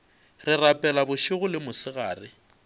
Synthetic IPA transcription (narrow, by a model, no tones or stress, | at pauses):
rɪrapʼɛlabʊʃʊɣʊlɪmʊsɪɣaːrɪ